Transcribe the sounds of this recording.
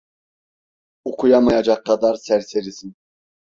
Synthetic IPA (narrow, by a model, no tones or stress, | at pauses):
ukʰujamajad͡ʒɑkʰːɑd̪ɑɾsæɾseɾisin